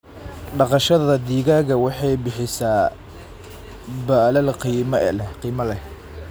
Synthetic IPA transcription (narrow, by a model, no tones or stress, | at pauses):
ɖɑqɑʃɐðɐd̪iːɣaːɣɐwɑħɑjbɪħɪsaː | baːlɐlqiːmɐʔɛ̰lɛqiːmɐlɛ